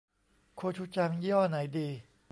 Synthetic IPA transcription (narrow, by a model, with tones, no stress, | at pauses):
kʰo˧t͡ɕʰu˦˥t͡ɕa˧ŋji˦ɔ˥˩na˩˦jdiː˧